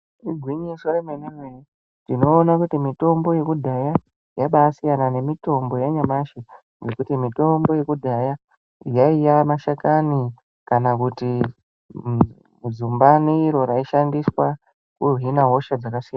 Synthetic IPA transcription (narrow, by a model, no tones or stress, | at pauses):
iɡʱwiɲisoremeneŋwei | tino̞ːnakutimito̞mbo̞je̞kudʱaja | jaɓaːsijanane̞mito̞mbo̞jaɲamaʃe | ŋɡe̞kutimito̞mbo̞je̞kudʱaja | jaijamaʃakani | kanakuti | zumbaneiɾo̞ɾaiʃandiswa | kurinaɦo̞ʃad͡zakasijana